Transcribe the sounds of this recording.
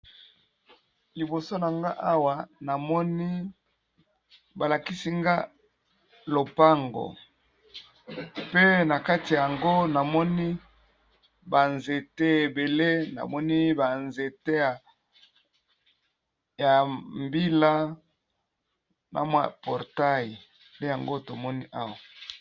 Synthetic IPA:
li˨bo˨so˦na˨ŋɡa˦ʔa˦wa˨na˨mɔ˦ni˦ | ba˨la˨ki˦si˦ŋɡa˦ | lo˨pa˦ŋɡo̰˨ | pe˦na˨ka˦ti˨ja˨a˨ŋɡo˦na˨mɔ˦ni˦ | ba˨nze˨te˦e˨be˨le˦na̰˨mɔ˦ni˦ba˨nze˨te˦ja˨ | ja˨mbi˦la˦ | nʔa̰˨mwa̰˨pɔ˨ʁta˦ji˨ | de˦ja˨ŋɡo˦to˨mɔ˦ni˦ʔa˦wa˨

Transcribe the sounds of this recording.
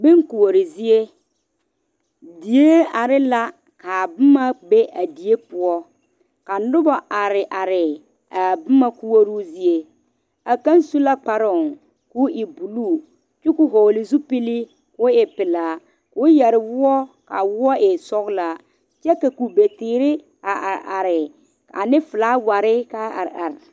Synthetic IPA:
bɪ˦ŋku˨wo˨ɾɪ˨zi˦e˦ | di˨je˦a˨ɾɪ˦la˦ | ka˨bʊ˦ma˦be˦ʔa˨di˨e˦pʊ˦ɔ˦ | ka˨n˦dʊ˦ba˨ʔa˨ɾɪ˨ʔa˨ɾɪ˨ | a˨bʊ˦ma˦ku˦wo˦ɾuː˦zi˦e˦ | a˨ka˦n˦su˦la˦k͡pa˨ɾɔ˨ŋ | ku˦ʔɪ˨bu˨luː˦˨ | t͡ʃu˦ku˦ɦo˨lɪ˨zu˦pi˦li˦ | kʊ˨˦ɪ˨pɪ˨laː˨ | kʊ˨˦jɛ˨ɾɪ˨wʊ˦ɔ˦ka˨wʊ˦ɔ˦ʔɪ˨sɔ˦ɣla˨ | t͡ʃɛ˦ka˨ku˨be˨tɪː˨ɾɪ˦ | a˨ʔa˨ɾɪ˨ | ka̰˨nɪ˦fʊ˨laː˦wa˨ɾɪ˦ka˦a̰˨ɾa˨ɾ

